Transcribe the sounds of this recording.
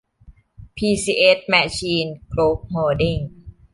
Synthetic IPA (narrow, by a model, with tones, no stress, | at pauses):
pʰiː˧siː˧ʔe˦˥t̪̚maː˧t͡ɕʰiː˧nkɾoː˦˥p̚moː˧di˧˩ŋ